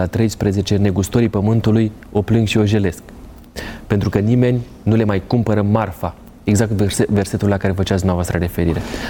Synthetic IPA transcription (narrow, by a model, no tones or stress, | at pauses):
at̪ɾe̞jspɾeze̞t͡ʃe̞ne̞ɡust̪o̞ɾipəmɨnt̪uluj | o̞plɨŋɡʃio̞ʒe̞le̞sk | pe̞nt̪ɾukənime̞nʲ | nule̞majkumpəɾəmarfa | e̞ɡzak̚t̪eeve̞rse̞t̪ulːakaɾe̞fət͡ʃat̪sd̪mavoast̪ɾəɾe̞fe̞ɾiɾe̞